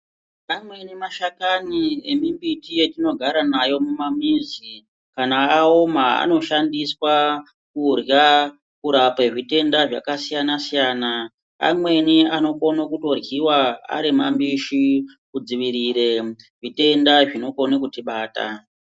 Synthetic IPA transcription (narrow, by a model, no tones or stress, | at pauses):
amwe̞nimaʃakaniemimbitije̞tino̞ɡʱaɾanajo̞mumamizi | kanaːomaa̰no̞ʃandiswa | kurja | kuɾapeʐite̞ndaʐa̰kasijanasijaːna | a̰mwe̞niano̞konokuto̞rjiwaa̰ɾimambiʃikud͡ziʋiɾiɾe̞ | ʐite̞ndaʐino̞ko̞nekutiɓaːta̰